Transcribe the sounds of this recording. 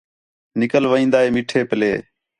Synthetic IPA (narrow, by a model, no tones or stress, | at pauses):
nɪkəlʋəĩːnd̪aːɦeːmɪːʈʰeːpəleː